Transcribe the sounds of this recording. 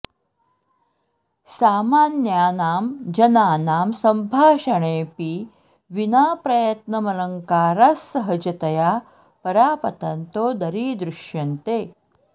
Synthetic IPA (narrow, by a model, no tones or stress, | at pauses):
saːmaːnjaːnaːmd͡ʒɐnaːnaːmsɐmbʱaːʃɐɳ̃eːpi | ʋinaːpɾɐjət̪nɐmɐlɐŋkaːɾasːɐɦɐd͡ʑɐt̪ɐjaː | pɐɾaːpɐt̪ɐnt̪oːd̪ɐɾiːd̪ɾuʃjɐnt̪eː